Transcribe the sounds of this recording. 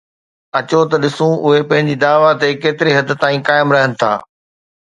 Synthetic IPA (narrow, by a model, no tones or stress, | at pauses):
ɐt͡ɕot̪ɐɗɪsũʊɦepɐ̃ɦɪ̃ɲd͡ʑiːd̪aːʋat̪ekeːt̪ɪɾeɦɐd̪ɪ̆t̪aːĩkaːɪmɾɐɦənɪ̆t̪ʰa̰ː